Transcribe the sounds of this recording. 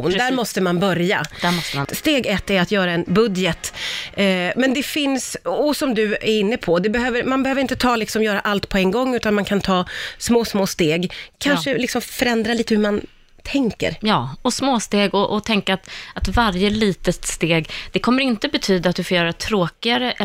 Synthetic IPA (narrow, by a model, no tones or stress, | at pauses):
nd̪æɾmɔst̪əmanbœɾja̰d̪̥æɔst̪əast̪eːɡɛt̪ːæɾat̪jœːɾaɛnbɵd̪jət̪ | mɛnd̪ɛfɪnsɔsɔmd̪ɵæɾɪnːəpʰɔd̪ɛbɛhøːvəɾmanbɛhøvəɾɪnt̪ət̪ʰɑːlɪksɔmjœːɾaʔalt̪pʰɔɛŋɡɔŋːʉːt̪anmankʰant̪ʰɑːsmoːsmoːst̪eːɡkʰanʂəlɪksɔmfœɾɛnd̪ɾaliːt̪əhɵman | t̪ʰɛŋkə̰ɾjɑːɔsmoːst̪eːɡɔʔɔt̪ʰɛŋkaːt̪ʔat̪vaɾjəliːt̪ət̪st̪eːɡd̪̥ɛkʰɔmːəɾɪnt̪əbɛt̪ʰyːd̪at̪̚d̪ɵfoːɾjœːɾat̪ʰɾoːkɪaɾəʔ